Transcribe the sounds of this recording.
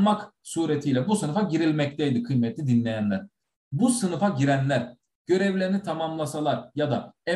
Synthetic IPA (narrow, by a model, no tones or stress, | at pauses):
maksuːɾet̪ʰijlʲɛbusɯnɯfaɟiɾilʲmɛc̚t̪ʰɛjd̪ikʰɯjmɛt̪ʰlʲid̪inlʲejænlʲæɾ̥ | busɯnɯfaɟiɾænlʲæɾ | ɟ̥ø̞ɾɛvlʲeɾinit̪ʰamamlˠasalˠaɾjad̪aɛ